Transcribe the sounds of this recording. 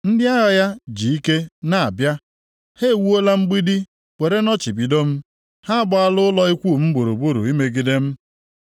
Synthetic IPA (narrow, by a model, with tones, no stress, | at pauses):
n̩˦dɪ˦a˦ɣa˨ja˦d͡ʒi˨i˦ke˦na˨a˨bja˦ | he˦˨wu˦o˦la˦m̩˦ɡ͡bi˦di˦ | we˨ɾe˦nɔ˦t͡ʃi˨bi˨do˦m̩˦ | ha˦bɔ˦a˦lʊ˦ʊ˦lɔ˦i˦kʷu˦˨m̩˦bu˨ɾṵ˨bu˦ɾṵ˨i˦me˨ɡi˨˦de˦m̩˦